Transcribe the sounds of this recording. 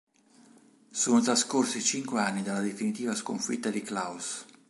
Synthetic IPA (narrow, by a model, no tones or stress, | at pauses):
soːnot̪ɾaskorsit͡ʃiŋkweanːid̪alːad̪efinit̪iːvaskoɱfḭt̪ːad̪iklaus